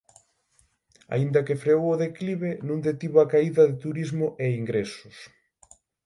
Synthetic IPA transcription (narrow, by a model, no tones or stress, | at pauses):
a̰ind̪ɐkefɾeowʊðekliβenũŋd̪et̪iβoakaiðɐðɪt̪uɾizmʊʔeiŋɡɾesʊs